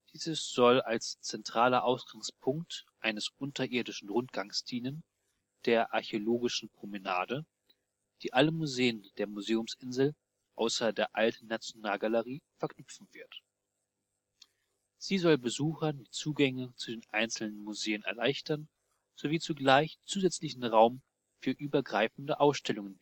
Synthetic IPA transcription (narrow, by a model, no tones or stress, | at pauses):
d̥iːzəsz̥ɔlalst͡sɛntʁ̥aːlɐʔaʊsɡ̥aŋspʰʊŋktʔaɪnəsʔʊntʰɐʔɪɐdɪʃn̩ʁʊntɡ̥aŋsd̥iːnən | d̥eːɐʔaɐçeoloːɡɪʃn̩pʁ̥oməna̰ːdə | d̥iːʔaləmuzeːənd̥eːɐmuzeːʊmsʔɪnzl̩ | ʔaʊsɐdeːɐʔaltn̩ːat͡sjonaːlɡaləʁiːfɛɐkʰnʏpp͡fn̩v̥ɪɐt | z̥iːzɔlbəzuːxɐnmɪt͡suːɡɛŋət͡sudeːnʔaɪnsl̩nənmuzeːənɛ̰ɐlaɪçtʰɐn | z̥oviːt͡suɡlaɪçt͡suːzɛt͡slɪçn̩ʁaʊm | fyːɐʔyːbɐɡʁaɪfn̩dəʔaʊsʃtɛlʊŋən